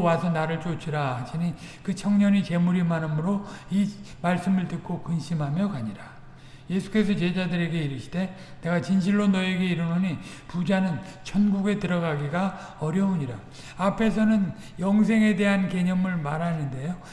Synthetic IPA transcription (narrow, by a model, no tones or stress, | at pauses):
wasʰʌnaɾɯɭt͡ɕot͡ɕʰiɾahad͡ʑinikɯt͡ɕʰʌŋɲʌnit͡ɕemuɾimanɯmɯɾoimaɭs͈ɯmɯɭtɯk̚k͈okɯnɕʰimɦamjʌkaɲiɾa | je̞sʰu̥k͈e̞sʰʌt͡ɕe̞d͡ʑadɯɾe̞ɡe̞iɾɯɕʰi̥de̞ | ne̞ɡat͡ɕinɕʰiɭːonʌe̞ɡe̞iɾɯnuɲi | pud͡ʑanɯnt͡ɕʰʌnɡuɡe̞tɯɾʌɡaɡiɡa | ʌɾjʌuɲiɾa | apʰe̞sʰʌnɯn | jʌŋs̬ʰe̞ŋe̞de̞ɦanke̞ɲʌmɯɭmaɾɦanɯnde̞jo